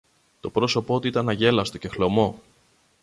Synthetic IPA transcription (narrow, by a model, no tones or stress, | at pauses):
t̪o̞pɾo̞so̞poot̪uiit̪ɐnɐʝe̞lɐst̪oce̞xlo̞mo̞